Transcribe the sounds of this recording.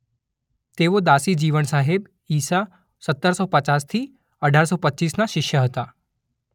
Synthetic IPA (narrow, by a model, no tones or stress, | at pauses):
t̪eʋod̪asid͡ʒiʋənsaɦeb | iːsa | sət̪ːəɾsopət͡ʃast̪ʰi | əɖʱaɾsopətːt͡ʃisnaʃɪʃjəɦət̪a